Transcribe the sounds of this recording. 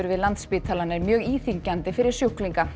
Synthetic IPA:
ʏɾvɪðlant̪spiːt̪ʰalanːɪɾmjœːɣiːθiɲcant̪ɪfɪɾɪɾ̥sjowkliŋka

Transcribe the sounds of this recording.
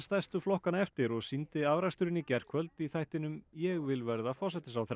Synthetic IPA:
st̪ajst̪ʏflɔhkanaɛft̪ɪɾɔɣsint̪ɪavɾast̪ʏɾɪnicɛr̥kʰvœlt̪iθajht̪ɪnʏmjɛɣvɪlvɛɾðafɔɾ̥sɛht̪ɪs̬awθɛ

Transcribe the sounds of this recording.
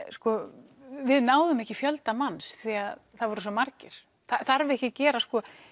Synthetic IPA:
skɔ | vɪðnaːwðʏmɛhcɪfjœlt̪amansθiaðθaðvɔɾʏsɔmaɾcɪɾ̥ | θaθaɾvɪðɛhcɪcɛːɾaskɔ

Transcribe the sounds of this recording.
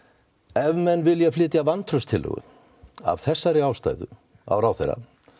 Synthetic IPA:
ɛvmɛnːvɪljɛɣflɪːt̪javant̪ʰɾœst̪ʰɪlːœ̰ɣʏ̰ | a̰v̥θɛsːaɾɪaːwst̪a̰ːjðʏ̰ | a̰wɾaːwθḛjɾa̰

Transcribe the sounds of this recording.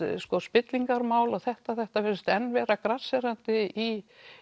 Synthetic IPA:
skɔspɪt̪liŋkaɾmaːwlaθɛht̪aθɛht̪avɛɾst̪ɛnːvɛːɾakɾasɛɾant̪ɪi

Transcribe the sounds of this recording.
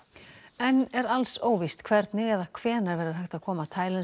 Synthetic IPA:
ɛnɛɾalsoːwvist̪kʰvɛɾt̪nɪɣɛðakʰv̥ɛːnɛɾvɛːɾɪɾ̥ɦajht̪aðkʰɔːmat̪ʰaːjlɛn

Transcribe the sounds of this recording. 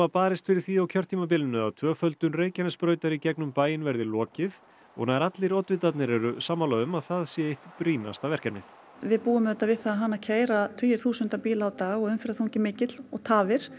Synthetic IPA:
vapaːɾɪst̪fɪɾɪɾ̥θiawcʰœɾ̥t̪ʰiːmap̬ɪlɪnːʏaðt̪ʰvœːfœlt̪ʏnreːjcanɪspɾœːɥt̪aɾicɛknʏmpaːjɪnvɛɾðɪlɔːcɪð | ɔ̰ɣnaðɾat̪lɪɾɔt̪vɪt̪at̪nɪɾɛɾʏsaːmːalaðʏmaðθaðsjɛejht̪pɾiːna̰st̪avɛr̥kannɪθ | vɪðpuːʏmɛt̪ːavɪθaɦanːacʰeːjɾat̪ʰœjɪɾ̥θuːsʏnt̪apiːlaːwt̪aːɣɔɣʏmfɪɾaθowŋcɪmɪːcɪt̪l̥ɔɣt̪ʰaːvɪɾ̥

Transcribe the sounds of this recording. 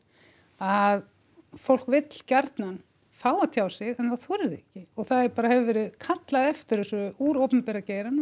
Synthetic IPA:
að | fowl̥kvɪt̪l̥caɾt̪nan | faːwat̪ʰjaːwsɪɣɛnθaθvɔɾɪðɪɛhcɪɔɣθaðɛɾpaːɾahɛvɪvɛːɾɪðkʰat̪laðɛft̪ɪɾʏsʏʏuːɾowpʏmpɛɾaceːjɾan

